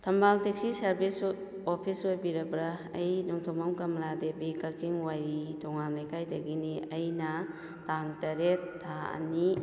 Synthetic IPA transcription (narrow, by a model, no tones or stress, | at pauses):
tʰɐmbaltek̚sisɐɾbis | opʰisojbiɾɐbɾaɐjnɔŋtʰɔmamkɐmladebikɐkʰiŋwajɾitʰɔŋanajkʰajdɐɡiniɐjnɐ | taŋtɐɾetʰːaɐ̰ni